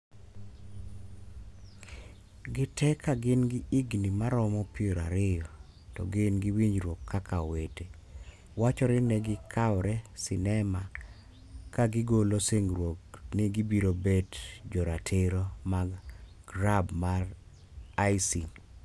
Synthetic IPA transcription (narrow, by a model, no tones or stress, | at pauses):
ɡɪtʰɛkʰːaɡɪnɡɪiɡnimaɾɔmɔpioɾa̰ɾɪjɔ | tɔ̰ɡɪnɡɪwiɲd͡ʒɾwokʰːakʰawete | wat͡ʃɔɾɪnɛɡɪkʰawɾɛsɪnɛma | kaɡɪɡoloseŋɾwoknɪɡibiɾobetd͡ʒɔɾatʰɪɾomaɡ | ɡɾabmar | ajsin